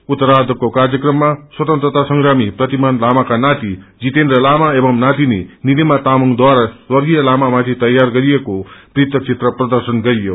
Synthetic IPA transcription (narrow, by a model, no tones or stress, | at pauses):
ut̪ːʌɾad̪ʱʌkokarjʌkrʌmːaswʌt̪ʌ̃nt̪rʌt̪asʌŋɡɾamiprʌt̪imanlamakanat̪id͡zit̪enrʌlamaebʌmnat̪inenilimat̪amʌŋd̪waɾaswʌrɡijʌlamamat̪ʰit̪ʌjːarɡʌɾijekoprit̪ʌk̚t͡sit̪rʌprʌd̪ʌrsʌnɡʌɾijo